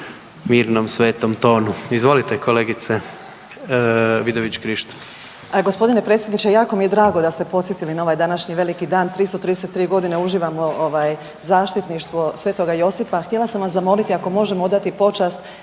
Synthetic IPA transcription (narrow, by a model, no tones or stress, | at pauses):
miːɾnomsʋeːt̪omt̪o̞ːnuizʋo̞lit̪ekʰoleɡit̪se | ʋid̪oʋit͡ɕkɾiʃt̪ | ɡo̞spo̞d̪ine̞pɾet̪sʲjed̪nit͡ʃejaːko̞mijed̪ɾaːɡo̞d̪ast̪epo̞t̪sjet̪ilinao̞ʋajd̪anaʃɲiʋe̞likid̪aːnt̪ɾist̪o̞t̪ɾid̪eset̪ːɾiːɡo̞d̪ineuʒiːʋamoʔoʋaːj | zaːʃt̪it̪niʃt̪ʋo̞sʋet̪o̞ɡajo̞sipaxt̪je̞lasamʋaszamo̞lit̪iako̞mo̞ʒemood̪at̪ipo̞t͡ʃast̪